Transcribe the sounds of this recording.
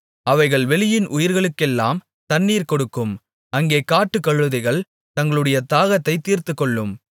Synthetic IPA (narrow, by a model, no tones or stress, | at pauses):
ɐʋɐɪɣɐɭʋɛlɪjɪnʔʊjɪɾɣɐɭɯkːɛlːa̰ːm | t̪ɐnːiːɾkɔɽɯkːɯm | ɐŋɡeːkaːʈːɯkːɐɭːɯðɐɪɣɐɭ | t̪ɐŋɡɐɭɯɽɐjɐt̪aːɣɐt̪ːɐɪt̪ːiːɾt̪ɯkːɔɭːɯm